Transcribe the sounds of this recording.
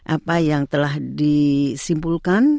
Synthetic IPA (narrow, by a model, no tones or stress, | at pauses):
ʔapajaŋt̪əlahdisimpulkan